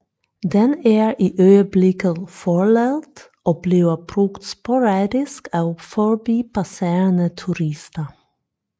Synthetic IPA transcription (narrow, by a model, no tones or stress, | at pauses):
d̪ɛnæːɹʔiːʔøʏəblɪkəfɔɭɛlt̪ | ʔoːb̥liːəb̥ɾʉkt̪spɔɾɑːd̪ɪskɑʊfɔɹbiːpʰɑseːɹənət̪ʰʉɾɪst̪ə